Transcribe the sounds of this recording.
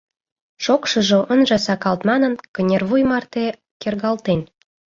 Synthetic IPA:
ʃokʃɤ̆ʒŏʔənʒɑsɑkɑlt̪mɑnə̆nkənʲerβujmɑrt̪e | kerɣɑlt̪en

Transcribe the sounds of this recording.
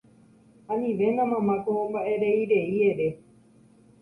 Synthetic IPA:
ãnĩʋe̞nãmãmãkoõmbaʔe̞ɾe̞iɾeie̞ɾe̞

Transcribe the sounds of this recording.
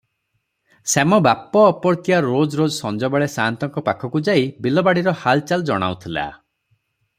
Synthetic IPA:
semɔbapːɔːpɔɾt̪iaɾod͡ʒɔɾod͡ʒɔsɔnd͡ʒɔbaɭesant̪ɔŋkɔpakʰɔkud͡ʒaibilɔbaɽiɾɔhalt͡ʃald͡ʒɔɽ̃a̰ut̪ʰila̰

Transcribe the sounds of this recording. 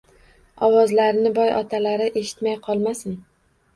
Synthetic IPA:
ɒwɒzlaɾnɪbɒjʔɒt̪ʰalaɾɪʔe̞ʃɪ̥t̪majqʰɒlˠmasɪn

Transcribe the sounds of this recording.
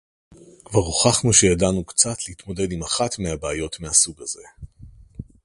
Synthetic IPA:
kvaʁoχaχnuʃejadanukt͡satlehitmo̞de̞dimaχatmeabeːjo̞tmehasuɡaze̞̰

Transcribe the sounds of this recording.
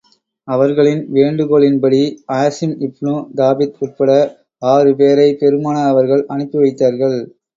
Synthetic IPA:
ɐʋɐɾɣɐɭɪnʋeːɳɖɯkoːɭɪnpɐɽiɐjsɪnɪpːnud̪aːʋɪt̪ʊr̚pɐɽɐ | aːɾɯp̬eːɾɐɪpɛɾɯmaːnɐɐʋɐɾɣɐɭʔɐnɯpːɯʋɐɪt̪ːaːɾɣɐɭ

